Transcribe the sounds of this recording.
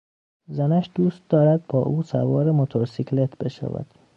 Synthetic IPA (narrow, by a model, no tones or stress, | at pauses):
zænæʃd̪̥uːst̪̚d̪ɒːɾæd̪̚bɒːʔuːsæ̰vɒːɾemot̪ʰoɾsikʰle̞t̪ʰbe̞ʃæ̰væ̰d̪̥